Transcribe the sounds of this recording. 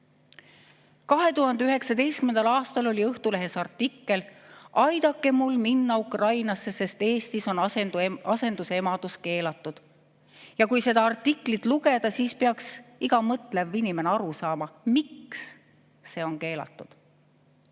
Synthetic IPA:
kɑɦe̞t̪uhɦɑnd̪e̞yɦe̞ksɑd̪e̞jst̪kymend̪ɑlɑːst̪ɑlo̞lʲiɤht̪ule̞ɦe̞sɑrt̪ːˑikːe̞lʔɑjd̪̥ɑkːˑe̞mulːminːɑukrɑjnɑsːe̞se̞st̪e̞ːst̪iso̞nɑse̞nd̪̥use̞mɑd̪̥uske̞ːlɑt̪ˑːud̪̥ | jɑkujse̞d̪ɑɑrt̪ːˑikːˑlit̪luɡe̞d̪̥ɑsiːspeɑksiɡ̥ɑmɤt̪levinʲime̞neɑɾusɑːmɑmiksː | e̞ːo̞nke̞ːlɑ̰t̪ˑːud̪̥

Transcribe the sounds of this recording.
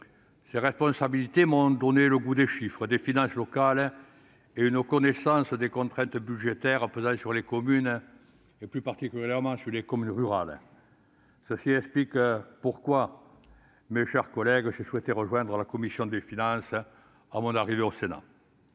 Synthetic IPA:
seʁɛspɔ̃sabilit̪emɔ̃d̪ɔneləɡud̪eʃifχəd̪efinɑ̃slɔkal | eynəkɔnesɑ̃səd̪ekɔ̃t̪χɛ̃nt̪əbyʒet̪ɛʁəpøzɑ̃syʁlekɔmyn | eplypaʁt̪ikyljɛʁmɑ̃syʁlekɔmynʁyʁal | səsiɛksplikpuʁkwa | meʃɛʁkɔlɛɡʒeswɛt̪eʁəʒwɛ̃nd̪ʁəlakɔmisjɔ̃d̪efinɑ̃s | amɔ̃naʁiveosena̰

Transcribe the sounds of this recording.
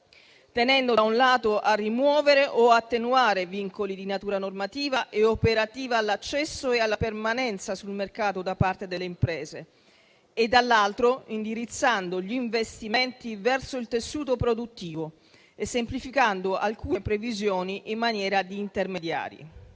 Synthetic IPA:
t̪enɛnd̪od̪aunlaːt̪oʔarːimwɔːveɾeʔoat̪ːenuaːɾeviŋkolid̪inat̪uːɾanormat̪iːvaʔeopeɾat̪iːvaːlːat͡ʃːɛsːoealːapermanɛnt̪sasulmerkaːt̪od̪apart̪ed̪elːeimpɾɛːzeː | d̪ːalːalt̪ɾoind̪iɾit̪sːand̪oʎiːɱvest̪imɛnt̪ivɛrsoilt̪esːuːt̪opɾod̪ut̪ːiːvo | esːemplifikand̪oʔa̰lkuːpɾevizjɔːniʔimːanjɛːɾad̪iːnt̪ermed̪ja̰ːɾjḭ

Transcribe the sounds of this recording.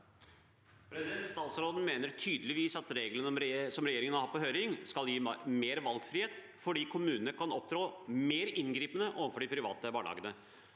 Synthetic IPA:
pʰɾɛsɪd̪ɛnt̪st̪ɑːt̪sɾoːd̪n̩meːnəɾʈʰyːd̪əlɪʋiːsɑt̪ɾeːɡlənəɔmɾsɔmɾɛjeːɾɪŋənɑhɑpɔɦøːɾɪŋskɑljiːmeːɾʋɑlɡfɾiːheːt̪ | fɔɖiːkʰʊmʉːnənəkʰɑnɔp̚d̪ɾoːmeːɾɪnɡɾiːpənəʔoːʋən̩fɔɖɪpʰɾɪʋɑ̰ːt̪əʋɑːɭɑ̰ːɡənə

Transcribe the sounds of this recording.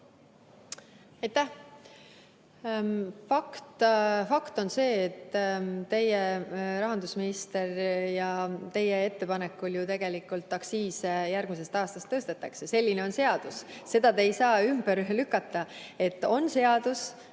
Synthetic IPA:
ɑjt̪ːæh | fɑkt̪fɑkt̪o̞nse̞ːt̪ːt̪e̞jerɑɦɑnd̪usminist̪e̞rjɑt̪e̞jee̞t̪ːe̞pɑne̞kːˑuljut̪e̞ɡ̥e̞likːˑult̪ːɑksiːsejærɡ̥mis̬e̞st̪ɑːst̪ɑst̪ːɤst̪et̪ːˑɑksese̞lʲːine̞o̞nse̞ɑd̪̥usse̞d̪̥ɑt̪e̞jsɑːymb̥eɾlykːˑɑt̪ːˑɑe̞t̪ːˑo̞nse̞ɑd̪̥us

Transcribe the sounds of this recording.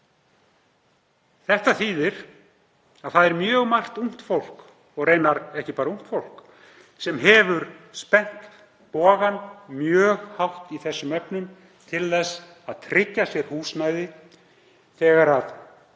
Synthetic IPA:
θɛht̪aθiːðɪɾ | aðθaðɛɾmjœːɣmar̥t̪um̥t̪fowl̥k | ɔɣreːjnaɾɛhcɪpaːɾaum̥t̪fowl̥k | sɛmɦɛvʏɾspɛn̥t̪ | pɔːɣanmjœːɣhawht̪iθɛsːʏmœpnʏm | t̪ʰɪlθɛs | aðt̪ʰɾɪcːasjɛɾ̥huːsnaːjðɪ | θɛːɣaɾað

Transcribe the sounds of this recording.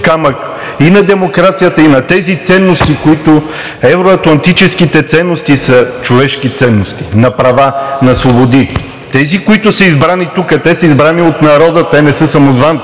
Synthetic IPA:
kamək | inɐd̪ɛmokɾat̪sijət̪əinɐt̪ɛzit̪sɛnːost̪ikoit̪o | ɛvɾoɐt̪lˠɐnt̪it͡ʃɛsk̟it̪ɛt̪sɛnːost̪isɐt͡ʃovɛʃkit̪sɛnːost̪i̥nɐpɾɐvanɐsvobod̪i | t̪ɛzikoit̪ʊsəizbɾanit̪ukɐt̪ɛsəizbɾaniot̪nɐɾɔd̪ət̪ɛnɛsɤsɐmozvan

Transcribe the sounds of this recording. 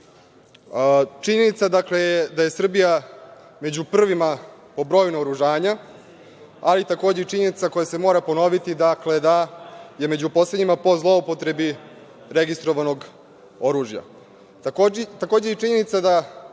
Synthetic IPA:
t͡ʃiɲe̞nit̪sad̪akle̞jed̪aje̞sr̩bija | me̞d͡ʑupr̩ʋimapo̞bɾo̞ːjnuoɾuʒaːɲa | alit̪ako̞ːd͡ʑeit͡ʃiɲe̞nit̪sako̞jase̞mo̞ːɾapo̞no̞ʋit̪id̪akle̞d̪aje̞me̞d͡ʑupo̞sled̪ɲimapo̞zlˠo̞upo̞t̪ɾe̞bi | ɾeɡist̪ɾo̞ʋano̞ɡ | o̞ɾuːʒja̰ | t̪akoːd͡ʑeit͡ʃiɲe̞nit̪sad̪a

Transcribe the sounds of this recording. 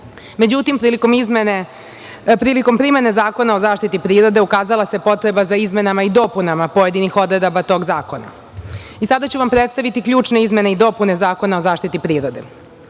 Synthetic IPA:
me̞d͡ʑut̪impɾilikomizmene | pɾiːliko̞mpɾime̞nezaːko̞nao̞zaːʃt̪it̪ipɾiːɾo̞d̪e̞ukaːzalˠase̞po̞t̪ɾe̞bazaizme̞namaid̪o̞punamapo̞je̞d̪inixo̞d̪ɾe̞d̪obat̪o̞ːɡzaːko̞na̰ | isad̪at͡ɕuʋampɾet̪st̪aʋit̪ikʎuːt͡ʃne̞izme̞ne̞id̪o̞pune̞zaːko̞naozaːʃt̪it̪ipɾiːɾo̞d̪e̞̰

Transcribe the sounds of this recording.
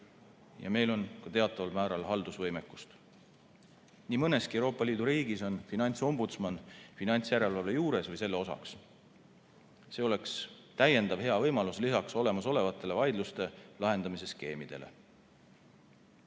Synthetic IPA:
jɑ̰me̞jlo̞nkɑt̪e̞ɑt̪ˑːɑvɑlmæːɾɑlhɑld̪̥usvɤjmekːˑust̪ | niːmɤne̞skiewɾo̞ːpːˑɑliːd̪uɾiːɡiso̞nfinɑnʲt̪so̞mbut̪smɑnfinɑnʲt̪sjæɾe̞lvɑlejuːɾe̞svɤjse̞lːe̞o̞sɑ̰ks | se̞ːo̞le̞ks | t̪æje̞nd̪̥ɑvhe̞ɑvɤjmɑluslisɑkso̞le̞mɑso̞le̞vɑt̪ːˑe̞le̞vɑjd̪lust̪e̞lɑɦe̞nd̪ɑmis̬e̞ske̞ːmid̪̥e̞̰le̞̰

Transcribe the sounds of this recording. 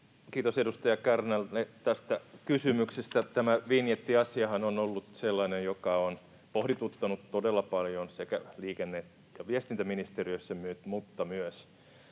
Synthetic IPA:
kiːt̪osedust̪ɑjɑkærnælnet̪æst̪ækysymyksest̪æt̪æmæʋinjet̪ːiɑsiɑhɑnonolːut̪selːɑnejjokɑon | pohdit̪ut̪ːɑnut̪todelːɑpɑljonsekæliːkenːeːt̪ | jɑʋiest̪int̪æminist̪eriøsːæmyt̪mut̪ːɑmyøs

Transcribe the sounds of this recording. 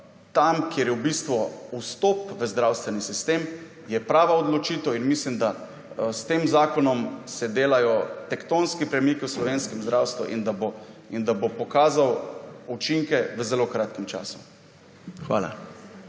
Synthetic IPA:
t̪amkjeɾjɛwbist̪ʋɔust̪ɔpʋəzd̪ɾawst̪ʋɛnisist̪em | jɛpɾaːʋaod̪lɔt͡ʃiːt̪ɛwinmislimd̪a | st̪eːmzaːkɔnɔmsɛd̪eːlajɔt̪ɛkt̪onskipɾɛmikiwslɔʋenskɛmzd̪ɾaːwst̪ʋṵʔḭnd̪aboind̪abopɔkaːzawut͡ʃiŋkɛʋəzɛlokɾaːt̪̚kɛmt͡ʃa̰ːsu̥̰ | xʋa̰ːla̰

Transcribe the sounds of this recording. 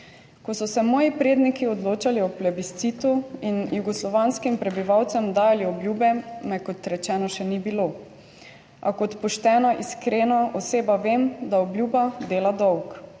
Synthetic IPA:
kɔsɔsɛmɔːjipɾeːd̪nikiɔd̪loːt͡ʃaliɔplɛbist̪siːt̪uinjuɡɔslɔʋaːnskimpɾɛbiʋawt̪sɛmd̪aːjaliɔbljuːbɛmɛkɔt̪ɾɛt͡ʃɛːnɔʃɛnibilo | ʔa̰kɔt̪pɔʃt̪ɛːnaʔiskɾeːnaʔɔseːbaʋeːmd̪aɔblʲjuːbad̪eːlad̪ɔwk

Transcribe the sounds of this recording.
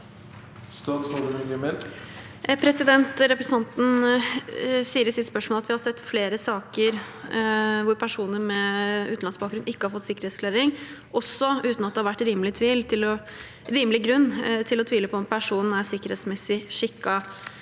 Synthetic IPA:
st̪ɑːt̪smod̪əmɪɡɪməɾ | pʰɾɛsɪd̪ɛnt̪ɾɛpɾɛsɑnt̪n̩ | siːəɾəsɪt̪spœʂmoːlɑt̪ʋɪhɑɾsɛt̪ːfleːɾəsɑːkəɾ | ʋʊɾpʰæʂuːnəɾmɛʉːt̪n̩ɑnsbɑkɡɾʉnɪkːəhɑɾfɔt̪ːsɪkːəɾeːt̪skleːɾɪŋ | ʔɔsːɔʉːt̪nɑt̪̚d̪ɛhɑɾʋæʈːɾiːməlɪt̪ʰʋiːlt̪ʰɪlɔ | ɾiːməlɪɡɾʉnːt̪ʰɪlɔt̪ʰʋiːləpʰɔɔmpʰæʂuːnn̩æɾsɪkːəɾheːt̪smɛsɪʂɪkːɑ

